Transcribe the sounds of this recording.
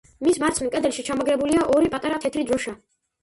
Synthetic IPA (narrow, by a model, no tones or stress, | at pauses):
mismaɾt̪sʰmɛkʼɛd̪ɛlʃit͡ʃʰamɔɡɾɛbuliaʔɔɾipʼat̪ʼaɾat̪ʰɛt̪ʰɾid̪ɾɔʃa